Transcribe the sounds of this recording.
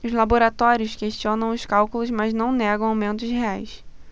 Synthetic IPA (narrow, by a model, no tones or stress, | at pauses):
ʊzlaboɾat̪ɔɾiʊʃkeʃt͡ʃiõnɐ̃w̃ʊskawkulʊzmaznɐ̃w̃nɛɡɐ̃w̃awmẽnt̪̬ʊsɦeajs